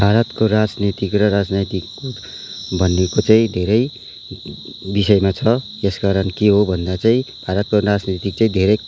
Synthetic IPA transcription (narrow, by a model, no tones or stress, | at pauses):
bʱaɾʌt̪koɾad͡znit̪ikrʌɾad͡znit̪ik | bʱʌnekot͡saĩd̪ʱeɾʌj | bisʌjmat͡sʰʌ | eskaɾʌnkeɦobʱʌnd̪at͡saĩb̥ʱaɾʌt̪̚korad͡znit̪ikt͡saĩd̪ʱeɾʌj